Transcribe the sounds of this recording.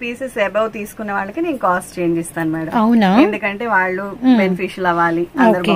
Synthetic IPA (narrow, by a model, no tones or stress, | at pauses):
piːsesɛbɐwt̪iːsu̥kunːɐʋaːɭːɐkine̞ːnukaːsʈt͡ʃe̞ːɲd͡ʒist̪aːnumaːɽɐmɐwnaend̪ukɐɳʈe̞ːʋaːɭːubenipʰiːʃɐlɐʋaːliɐnːd̪ɐɾu